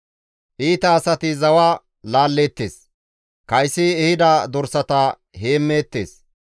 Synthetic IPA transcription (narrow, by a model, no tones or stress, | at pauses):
ʔiːt̪ɐːsɐt̪ɪzɐwa | laːlːeːt̪ːḛːs | kɐjsːɪɛhɪd̪ɐd̪ɔɾsɐt̪ɐ | heːmːeːt̪ːe̞̰ːs